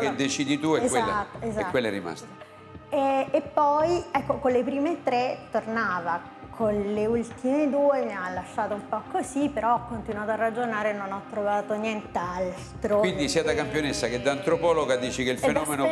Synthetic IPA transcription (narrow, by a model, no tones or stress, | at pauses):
ked̪et͡ʃid̪it̪uɛkzweat̪ːezɛkakwelːerima̰st̪e | ɛepːɔjɛkːokolepɾiːmet̪ːɾet̪ːornaːva | kʰonleult̪imed̪uːemialːaʃːaːt̪oumpɔkʰːosipːeɾɔɔkːont̪inwaːt̪oarːad͡ʒonaːɾenonɔt̪ːɾovaːt̪onjɛnt̪al | t̪ɾowind̪isiːad̪akampjonesːaked̪ant̪ɾopɔloɡad̪iːt͡ʃikeilfenɔːmeno